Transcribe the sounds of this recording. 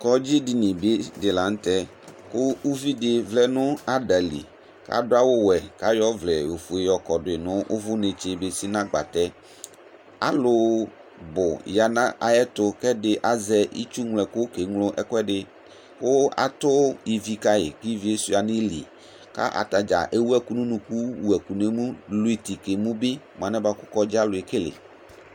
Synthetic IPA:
kɔ˦d͡ʑi˦di˨nĩ˨be˦dɪ˨la˨ŋ̩˦t̪ɛ˦ | kʊ˦u˦vi˦dɪ˨vlɛ˦nʊ̃˦a˦ɖa˨lḭ˨ | ka̰˦dʊ˦a˦wo˦wɛ˨ka˦jɔ˦vlɛ˨we˨fu˨e˨jɔ˨kɔ˨dʊ˨ɪ˨nʊ̃˦ʔo˦vʊ˦nẽ˨t͡ʃe˨be˦si˦nã˦ɡ͡ba̰˨t̪ɛ˦ | a̰˦lʊ˨ | bʊ˨ja˨nã˦ʔa˨ɛ˦t̪ʊ˦kɛ˦dɪ˨ʔa˨zɛ˦ḭ˦t͡ʃu˦ŋlɛ˨kʊ˦ke˨ŋlʊ˦ʔɛ̰˦kɛ˦ɖɪ˨ | kʊ˦a̰˨t̪ʊ˦ji˨vi˨ka˦jɪ̰˨ki˦vi˦e˦su˦a˨nɪ̃˦lḭ˨ | ka̰˦ʔa̰˨t̪a˨d͡ʒa̰˨ʔe˦wu˦ɛ˦ku˦nũ˦nũ˨ku˦wu˨ɛ˨ku˨ne˦mũ˦lʊ˦e˨t̪i˨ke˨mũ˦bɪ˦ | m˨ã˨nɛ̃˦ba˦kʊ˦kɔ˦d͡ʒa˦lʊ˨e˨ke˦lɪ̰˨

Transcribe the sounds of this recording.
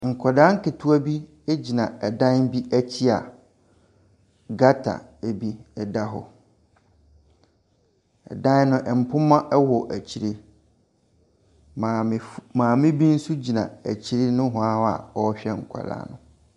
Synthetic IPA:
ŋ̩˨kʰɔ˨da˦ŋ̩˦kɪ˨tʰu˦a˦bi˦ | e˦d͡ʑi˨nã˨ɛ˨dã˦nbi˦ʔæ˦t͡ɕʰi˦a˨ | ɡa˦tʰa̰˨e˨bi˦ɛ˨da˦ɦɔ̰˨ | ɛ̰˨dã˦n˦nʊ̃˦ʔɛ˨m̩˨pʰʊ˦mã˦ʔɛ˦wɔ˨ʔæ˨t͡ɕʰi˨ɾe˦ | mã˨mãː˨mɪ̃˦bi˦n̩˦su˦d͡ʑi˨nã̰˨æ˨t͡ɕʰi˦ɾe˦nʊ̃˦ɦʊ̃˨a˦a̰˨ɔ˦ɕᶣɛ˦ŋ̩˨kʰʷa̰˨da̰ː˦nʊ̰̃˨

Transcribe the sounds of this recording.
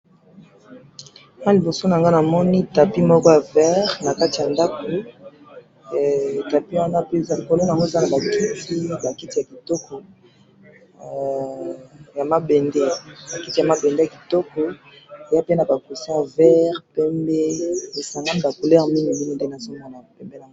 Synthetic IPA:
wa˦li˨bo˨so˦n˨a˨ŋɡa˦na˨mɔ˦ni˦ta˨pi˦mɔ˦kɔ˦ja˨vɛ˦ʁna˨ka˦ti˨a˨nda˦ko˨ | ta˨pi˦wa˦na˦pe˦˨˦lko˨lo˦na˨ŋɡo˦e˨za˦na˨ba˨ki˦tʰi˦ba˨ki˦ti˨ja˨ki˨tɔ˦kɔ˨ | ja˨ma˦bɛ˨nde˦ba˨ki˦ti˨ja˨ma˨bɛ˨nde˦ja˨ki̥˨tɔ˦kɔ˨ | e˨ja˦pe˦na˨ba˨ko˨si˦ja˨vɛ˦ʁpɛ˦mbe˦e˨sa˨ŋɡa˦ni˦ba˨ko˨lɛ˦ʁmi˦ni˨mi˦ni˦de˦na˨zo˦ma˨la˨pɛ˦mbe˦na˨ŋɡ

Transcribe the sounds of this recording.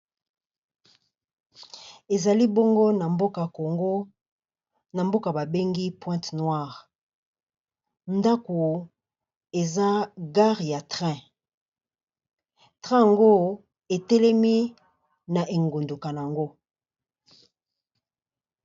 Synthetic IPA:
e˨za˨li˦bo˦ŋɡo˦na˨mbo˦ka˨ko˨ŋɡo˦ | na˨mbo˦ka˨ba˨be˦ŋɡi˦pwɛ̃˦tnwa˦˨ʁ | nda˦ko˨ | e˨za˦ɡa˦ʁja˨tʁɛ̃˦ | tʁɛ̃˦ja˨ŋɡo˦ | e˨tɛ˦lɛ˦mi˦ | na˨ʔe˨ŋɡo˨ndo˨ka˨n˨a˨ŋɡo˦

